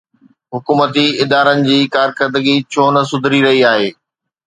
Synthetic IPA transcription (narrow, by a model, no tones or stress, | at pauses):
ɦʊkuːmət̪iɪd̪aːɾənɪ̆d͡ʑiːkaːɾxəɾd̪əɡit͡ɕʰoːnɐsʊd̪ʱɾiɾɐɦiaːɦeː